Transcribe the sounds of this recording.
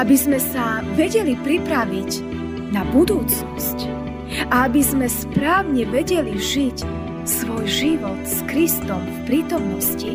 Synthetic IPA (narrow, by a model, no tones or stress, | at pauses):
abizmɛsaʋɛɟɛlipɾipɾaʋiɟ | nabud̪uːt͡snɔsc | ʔaabizmɛspɾaːʊɲɛʋɛɟɛliʒic | sʋɔjʒiʋɔt̪skɾist̪ɔmfpɾiːt̪ɔmnɔsci